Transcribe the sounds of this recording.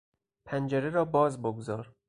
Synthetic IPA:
pʰænd͡ʒeɾeɾɒːbɒːzboɡzɒːɾ

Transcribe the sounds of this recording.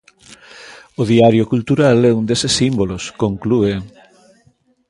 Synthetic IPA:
oðiaɾjʊkult̪uɾalɛund̪esesːimboloskoŋklue

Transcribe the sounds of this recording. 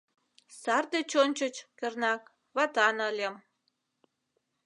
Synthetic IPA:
sɑrd̪et͡ɕonʲt͡ɕə̆t͡ɕkə̆rnɑk | βɑt̪ɑnəlʲĕm

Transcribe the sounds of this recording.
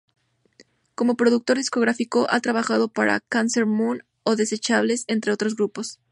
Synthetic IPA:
ko̞mo̞pɾo̞ðuk̚t̪o̞ɾðisko̞ɣ̞ɾafiko̞ʔat̪ɾaβaxað̞o̞paɾa̰kanse̞ɾmũn | o̞ðe̞se̞t͡ʃaβle̞se̞nt̪ɾe̞o̞t̪ɾo̞z̬ɣɾupo̞s

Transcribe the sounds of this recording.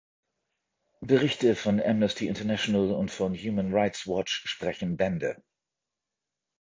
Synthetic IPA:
b̥əʁɪçtəfɔnɛmnəstʰiɪ̰ntɐnɛʃonəlʊ̰ntfɔnjuːmənʁaɪtswɔt͡ʃʃpʁ̥ɛçn̩bɛndə̰

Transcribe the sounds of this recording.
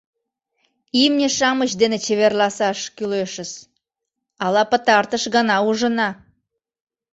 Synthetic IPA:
imnʲeʃɑmət͡ɕd̪enet͡ɕeβerlɑsɑʃkyleʃəs | ɑlɑpə̆t̪ɑrt̪əʃɣɑnɑuʒənɑ

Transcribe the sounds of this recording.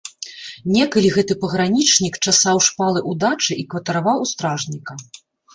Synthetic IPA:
nʲɛkɐlʲiɣɛt̪ɨpɐɣɾanʲit͡ʂnʲikt͡ʂasawʂpalˠɨʔud̪at͡ʂɨʔikvɐt̪ɐɾavawust̪ɾaʐnʲikɐ

